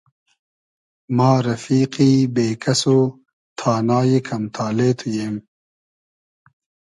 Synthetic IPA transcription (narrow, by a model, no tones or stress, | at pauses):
maːɾɐfiːqiːbeːkɐso | t̪ʰaːnaːjekʰɐmt̪ʰaːleːt̪ʰujem